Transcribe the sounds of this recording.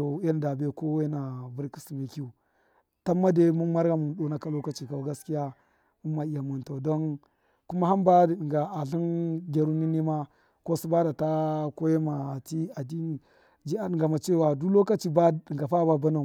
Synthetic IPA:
o˨˦e˦n˨da˨be˦˨ko˦we˦na˨vu˦ɾki̥˦si˨me˨ki˦u˨ | ta˦mːa˦de˦mu˦nma˦ɾɡa˦mu˨n˦ɗo˦na˨ka˦lo˦ka˦t͡ʃi˨ka˨ɡa˦ski˦ja˦ | u˦mːa˨i˨ja˨mu˨nto˨do˦n | ku˦ma˦ɦa˦mba˦di˨ɗi˨ɡa˨a˨ɬi˦nɡʲe˨ɾu˦ni˦ni˦ma˦ | ko˦su˦ba˦da˨ta˦ko˦je˦ma˨ti˦a˨di˦ni˨ | d͡ʒi˦a˨ɗi˨ŋɡa˨ma˨t͡ʃe˦˨wa˨du˦lo˦ka˦t͡ʃi˦ba˦i˨ɡa˨fa˦ba˦ba˦na˨

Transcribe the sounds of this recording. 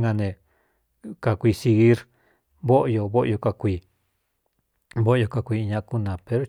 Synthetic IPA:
ŋã˧nẽ˨ | ka˨kʷi˧si˧ɣi˦ɾ | βo˦ʔjo˧βo˦ʔjo˧ka˧kʷiː˧˨ | βo˦ʔjo˧ka˧kʷi˧ɲã˧ʔku˦nã˨pe˧ɾo˦

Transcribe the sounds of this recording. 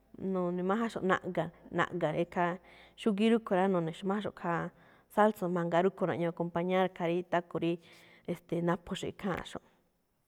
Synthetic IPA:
nõ˨nĩ˨˧mã˦ɦa˦ʃõ̰˧nã̰˧ʔɡa˨nã̰˨ʔŋɡa˨ɾe˧kʰa˧ʃu˦ɡi˦ɾu˦kʰo˨˧ɾa˦nõ˨nĩ˨ʃo˧mã˦a˦ʃõ̰˧˨kʰa˧ | sa˦lso˧mã˧ŋɡa˧ɾu˦kʰo˧ɾã˧˨˧ɲõ˧ko˧mpa˧ɲã˦ɾkʰa˧ɾi˦t̪a˦ko˨˧ɾi˦ | e˨st̪e˨nã˧pʰo˧ʂi˧˨˧kʰã̰˦˧ʂõ̰˨ʔ

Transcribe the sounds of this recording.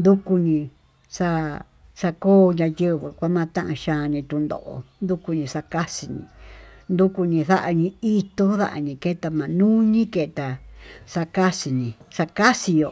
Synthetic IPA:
nd̪u˦ku˧ɲĩ˧ | sa˦˧ | sa˧koː˦ɲã˧jə˦βɨ˨kʷa˦mã˦˧t̪ã˦ʔã̰˧ʃãː˧nĩ˧t̪u˧nd̪o̰˨ʔo̰˧nd̪u˦ku˧ɲĩ˧ʂa˧ka˦si˧ɲḭ̃˧˨nd̪u˦ku˧nĩ˧ða˦ʔa˧ɲĩ˧i˦t̪o˧˦ða̰˦ʔa̰˧ɲĩ˧ke˦˧t̪a˧mã˨nũː˦ɲĩ˦ke˧t̪a˨sa˧ka˦si˨ɲĩ˨˧sa˧ka˦si˧jo˧

